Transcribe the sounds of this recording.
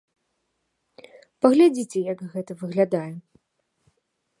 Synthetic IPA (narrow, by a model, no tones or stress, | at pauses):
pɐɣlʲad͡zʲit͡sʲɛjɐkɣɛt̪ɐvɨɣlʲad̪ajɛ